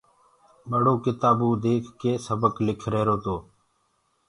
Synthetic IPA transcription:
ɓəɽoːkɪt̪aːbũːd̪eːkʰkeːsəbəklɪkʰɾeːɾoːt̪oː

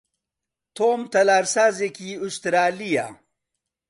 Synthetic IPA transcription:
t̪ʰoːmt̪ɐlaɾsazekiust̪ɾaːlija̰

